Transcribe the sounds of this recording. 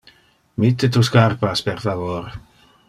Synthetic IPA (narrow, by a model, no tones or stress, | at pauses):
mit̪ːet̪uskarpaspeɾfavoɾ